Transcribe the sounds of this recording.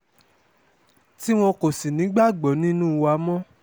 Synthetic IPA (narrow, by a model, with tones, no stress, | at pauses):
ti˦w̃ɔ̃˧ko˨si˨nĩ˨˦ɡ͡ba˦˨ɡ͡bɔ˨˦nĩ˦nũː˦˧wa˧˦mɔ̃˦